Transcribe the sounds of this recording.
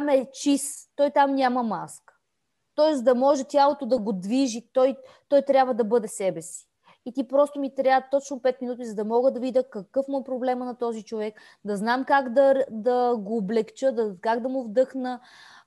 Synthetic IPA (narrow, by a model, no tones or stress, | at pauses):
t̪amɛt͡ʃist̪ɔjt̪amnʲamɐma̰skə̥ | t̪ɔɛsd̪ɐmɔʒɛt̪ʲjalˠot̪od̪ɐɡod̪viʒit̪ɔj | t̪ɔjt̪ɾʲabvəd̪ɐbɤd̪ɛsɛbɛsi̥ | it̪ipɾɔst̪omit̪ɾʲat̪ɔt͡ʃnopɛt̪minut̪̬izɐd̪ɐmɔɡəd̪ɐvid̪əkɐkɤfmuɛpɾoblɛmənɐt̪ɔzit͡ʃovɛk | d̪ɐznamkaɡd̪ɐd̪ɐɡoːblɛkt͡ʃəd̪ɐkaɡd̪ɐmʊvd̪ɤxnə